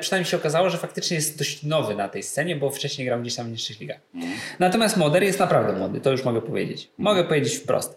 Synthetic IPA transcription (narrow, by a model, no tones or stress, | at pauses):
pʂɨnajmɲejɕɛɔkazawɔʐɛfak̚t̪ɘt͡ʂɲɛjɛst̪̚d̪ɔɕt͡ɕnɔvɘnat̪ɛjst̪sɛɲɛbɔft͡ʂɛɕɲejɡɾawɡd͡ʑeɕt̪amɲiʂt͡ʂɛlʲiɡaxnat̪ɔmjast̪mɔd̪ɛɾjɛst̪napɾavd̪ɛmwɔd̪ɨt̪ɔjuʂmɔɡɛpɔvʲjḛd͡ʑḛt͡ɕmɔɡɛpɔvʲjed͡ʑet͡ɕfpɾɔ̰st̪